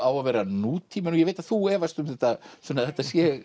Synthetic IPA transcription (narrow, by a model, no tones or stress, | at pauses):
awavɛːɾanuːt̪ʰiːmɛnujɛɣveːjt̪aðθuɛːvast̪ʏmθɛht̪ːasvɛːnaθɛht̪ːasjɛɣ